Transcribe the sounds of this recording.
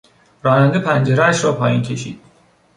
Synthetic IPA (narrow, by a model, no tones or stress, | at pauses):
ɾɒːnænd̪epʰænd͡ʒeɾeæʃɾɒːpʰɒːjiːncʲʰe̞ʃḭːd̪̥